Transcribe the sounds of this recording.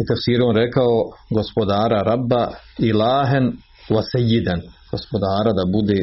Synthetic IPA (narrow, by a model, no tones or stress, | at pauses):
ut̪afsiːɾuonɾekaoɡospod̪aːɾaɾabːailaːɦan | ʋasejːid̪anɡ̥o̞spod̪aːɾad̪abud̪eː